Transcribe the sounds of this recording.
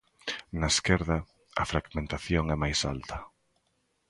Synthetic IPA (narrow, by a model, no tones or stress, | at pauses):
nɐeskɛɾðɐ | ɐ̰fɾaɡmẽnt̪aθjoŋɛmajsa̰lt̪ɐ